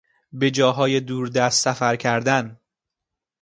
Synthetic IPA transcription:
be̞d͡ʒɒːɦɒːjed̪uːɾd̪æst̪sæfæɾcʰæɾd̪æn

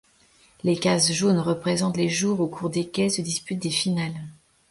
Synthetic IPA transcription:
lekazʒonʁəpχezɑ̃t̪leʒuʁokʰuʁd̪ekʲɛsəd̪ispyt̪̚d̪efinal

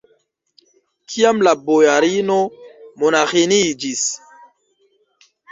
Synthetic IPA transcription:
kʰijamlabojaɾinomonaxenid͡ʒis

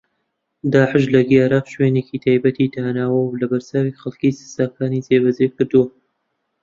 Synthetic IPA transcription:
d̪aːʕɪʃlɐɡiaɾaːqʃweːnekit̪ʰaːjbɐt̪it̪ʰaːnaːwɐwlɐbɐɾt͡saːwiχɐlˠkiːsɨ̥saːkaːniːzeːbɐzekɨɾd̪uwɐ

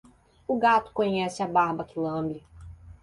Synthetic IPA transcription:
ʊɡat̪ʊ̥kõɲɛsɪɐbaɾbɐkɪlɐ̃mbɾɪ

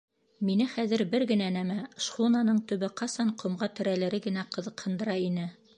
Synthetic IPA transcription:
minɘχæðɘ̆ɾbɘɾɡɘ̆nænæmæʃχunanɤɴt̪ɵ̆βɘqɑsɑɴqŏmʁɑt̪ɵ̆ɾælɘ̆ɾɘɡɘ̆næqɤ̆ðɤ̆qhɤ̆nd̪ɤ̆ɾɑinɘ

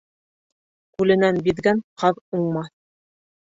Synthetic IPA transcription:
kʉlɘ̆nænbiðɡænqɑðuɴmɑθ

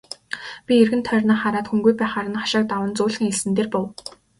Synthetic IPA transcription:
pʲierɣɘ̆nt̪ʰœːrʲnaːχaɾaːt̪xuŋɡujpæːχaɾə̆nχḁʃăːk̚t̪awə̆nt͡sʊːɮxɘ̆ŋeɮsɘ̆nt̪eːrpʊw

